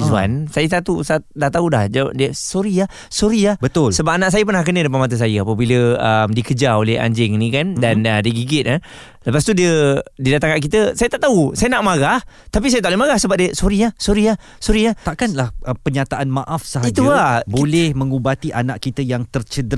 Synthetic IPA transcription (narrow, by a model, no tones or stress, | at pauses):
ua̰nsajəs̬at̪usadaht̪audahd͡ʒawa̰ʔdiəsoɾiah | soɾiahbət̪ʊlsəbap̚anaʔs̬ajəpənahkənədəp̬anmat̪̬əs̬ajəapəbiləəmdikəd͡ʒaoleha̰ɲd͡ʒɪŋnĩkandanədiəɡiɡɪt̪̚ə | ləpas̬t̪udiədidat̪aŋkaʔkit̪əsajət̪aʔt̪ausajənaʔmaɣaht̪apisajət̪aʔlemaɡahsəbap̚diəsoɾiahsoɾia | soɾiat̪aʔkanlahʔəpəɲat̪aʔanmãʔafsəɦaiɡt̪uabolɛhmə̃ŋubat̪iʔanaʔkit̪əjaŋt̪ərt͡ʃəd